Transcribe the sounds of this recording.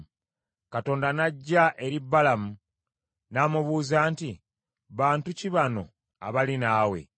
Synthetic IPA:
kato̞ːndanaɟːaʔe̞ɾibːalamu | naːmuβuːzaːnti | βaːntuciβano̞̰ | a̰βalinaːwe̞̰

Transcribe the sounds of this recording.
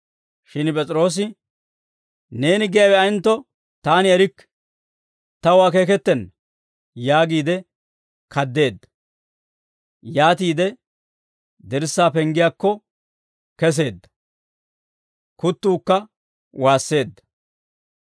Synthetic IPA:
ʃɪnpʼɛt͡sʼɾo̞ːs̬ɪ | ne̞ːnɪɡɛjawɛɐɪnt̪ːɔ | t̪aːnɪɛɾɪkː | t̪ɐwaːk̬e̞ːk̬ɛt̪ːɛn | jaːɡiːd̪ɛ | kʰɐd̪ːe̞ːd̪ːɐ̥ | jaːt̪iːd̪ɛ | d̪ɛɾsːaːpɛŋɡɪjaːkːɔ | kɛs̬e̞ːd̪ːɐ̥ | kʊt̪ːuːkːɐ | waːsːe̞ːd̪ːɐ̥

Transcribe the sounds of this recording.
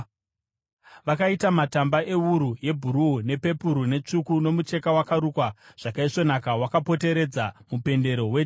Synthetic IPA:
ʋakaitamatambaʔe̞uɾuje̞bʱuɾuune̞pe̞puɾune̞t͡ʂukuno̞mut͡ʃe̞kawakaɾukwaʐ̥akaiʂo̞nakawakapo̞te̞ɾe̞d͡zamupe̞nde̞ɾo̞we

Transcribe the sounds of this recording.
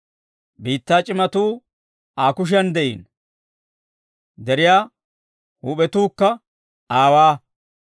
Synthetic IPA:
biːt̪ːaːt͡ʃʼɪmɐt̪uː | aːkʊʃ̬ɪjɐnd̪ɛʔḭːn | d̪ɛɾɪjaː | huːɓɛt̪uːkːɐ | aːwaː

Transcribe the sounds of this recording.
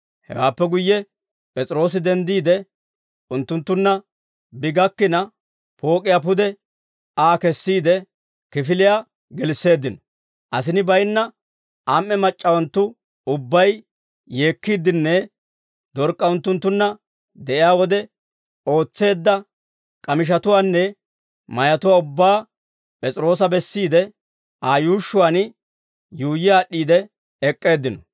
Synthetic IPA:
hɛ̰waːpːɛɡʊjːɛ | pʼɛt͡sʼɪɾo̞ːs̬ɪd̪ɛnd̪iːd̪ɛ | ʊnt̪ːʊnt̪ːʊnːɐ | bɪɡɐkːɪnɐ | po̞ːkʼɪjaːp̬ʊd̪ɛ | aːkɛsːiːd̪ɛ | kɪfɪlɪjaː | ɡɛlsːe̞ːd̪ːɪnɔ | ʔɐsɪnɪbɐjnːɐ | ʔamːɛmɐt͡ʃʼːɐwɐnt̪ːʊ | ʊbːɐj | je̞ːkːiːd̪ɪnːɛ | d̪ɔɾkʼːɐʊnt̪ːʊnt̪ːʊnːɐ | d̪ɛʔɪjaːwɔd̪ɛ | o̞ːt͡sːe̞ːd̪ːɐ | kʼɐmɪʃ̬ɐt̪ʊwaːnːɛ | mɐjɐt̪ʊwaːʊbːaː | pʼɛt͡sʼɪɾo̞ːs̬ɐbɛsːiːd̪ɛ | ʔaːjuːʃːʊwan | juːjɪjaːɗːiːd̪ɛ | ɛkʼːe̞ːd̪ːɪnɔ

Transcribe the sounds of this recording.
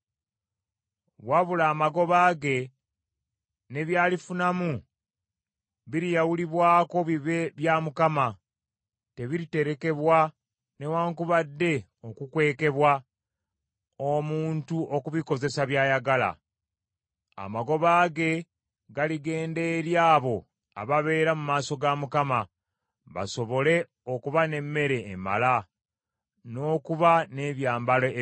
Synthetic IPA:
βwaβulaːmaɡo̞βaːɡe̞ | ne̞βjaːlifunamu | βiɾijawuliβwaːko̞βiβeβjamukama | te̞βiɾite̞ɾe̞ke̞βwa | ne̞waːŋkuβadːe̞ | o̞kukwe̞ːke̞βwa | omuːntuʔokuβiko̞ze̞saβjaːjaɡala̰ | a̰maɡo̞βaːɡe̞ | ɡaliɡe̞ːnde̞ɾjaːβo̞ | a̰βaβe̞ːɾamumaːso̞ɡamukama | βa̰so̞βo̞le̞ | o̞kuβane̞mːe̞ɾe̞ːma̰la | no̞ːkuβane̞βjaːmbalo

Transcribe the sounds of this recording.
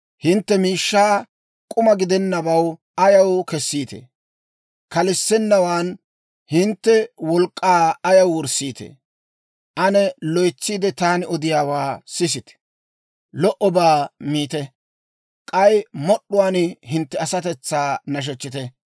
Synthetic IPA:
hɪnt̪ːɛmiːʃːaː | kʼʊmɐɡɪd̪ɛnːɐbɐw | ɐjɐwkɛsːiːt̪ḛ | kɐlɪsːɛnːɐwaːn | hɪnt̪ːɛwɔlkʼːaːɐjɐwwɔɾsiːt̪ḛ | ʔɐnɛlɔjt͡sːiːd̪ɛt̪aːnɪɔd̪ɪjaːwaːsɪs̬ɪt̪ɛ̥ | lɔʔɔbaːmiːt̪ɛ | kʼɐjmɔɗːʊwaːnhɪnt̪ːɛɐsɐt̪ɛt͡sːaːnɐʃ̬ɛt͡ʃːɪt̪ɛ

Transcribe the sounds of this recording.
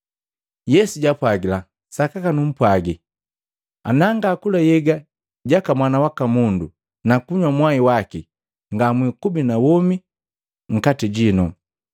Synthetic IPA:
jɛsuɟapwaɡila | sakakanum̩pwaɡi | a̰naŋɡaːkulajɛɡa | ɟakamwanawakamundṵ | nakuɲwamwaiwaki | ŋɡamwikubinawɔmi | ŋ̩katiɟinṵ

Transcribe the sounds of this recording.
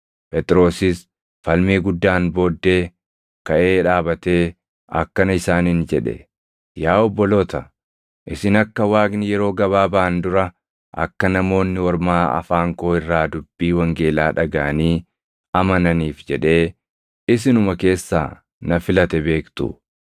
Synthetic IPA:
pɛt̪ɪɾo̞ːsɪs | fɐlmiːɡʊd̪ːaːnbo̞ːd̪ːeː | kɐʔe̞ːᶑaːbɐt̪eː | ɐ̰kːɐnɐɪsaːnɪnd͡ʒɛᶑɛ̰ | jaːɔbːɔlo̞ːt̪ɐ | ʔɪsɪnɐkːɐwaːɡnɪjɛɾo̞ːɡɐβaːbaːnd̪ʊɾɐ | ʔɐ̰kːɐnɐmo̞ːnːɪwɐɾmaːɐ̰faːŋko̞ːɪrːaːd̪ʊbːiːwɐŋɡe̞ːlaːᶑɐɡɐʔɐniː | ɐmɐnɐniːfd͡ʒɛᶑe̞ː | ɪsɪnʊmɐke̞ːsːa̰ː | nɐfɪlɐt̪ɛbeːkt̪ʊ̰

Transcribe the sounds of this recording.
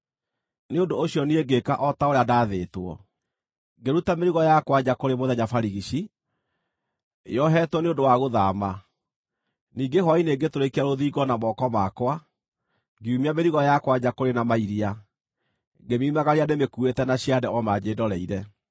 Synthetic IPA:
neondoːɕiɔnieɡekaʔɔtaoɾeadaːðeːtwɔ̰ | ɡeɾutameɾiɣɔjakwaɲakoɾemoðɛɲafaɾiɣiɕi | jɔɦɛtwɔneondowaɣoðama | niːŋɡeɦɔineɡetoɾekeaɾoðiːɡɔnamɔkɔmakwa | ɡiumiameɾiɣɔjakwaɲakoɾenamaiɾia | ɡemimaɣaɾianemekuetɛnaɕiadɛɔmad͡ʑeːdɔɾɛiɾɛ

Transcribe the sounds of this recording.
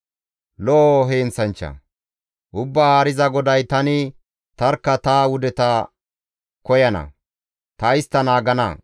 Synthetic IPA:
looɦeːnt͡sɐnt͡ʃːɐ̰ | ʔʊbːaːaːɾɪzɐɡɔd̪ɐjt̪ɐnɪ | t̪ɐɾkːɐt̪aːwʊd̪ɛt̪ɐ | kɔjɐnɐ̰ | t̪ɐɪst̪ːɐnaːɡɐnɐ̰

